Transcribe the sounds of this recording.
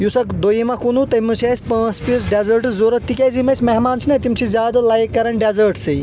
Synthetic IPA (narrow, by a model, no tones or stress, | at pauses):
jusɐkd̪ojimɐkunut̪ɐmut͡ʃʰesʲpɐ̃ːspisɖezɐɾʈzoːɾɐt̪ːikʲɐzimɐsʲmɐɦmaːnt͡ʃʰinɐt̪imt͡ʃʰizjaːd̪alaːjekːɐɾɐnɖezɐɾʈsɨ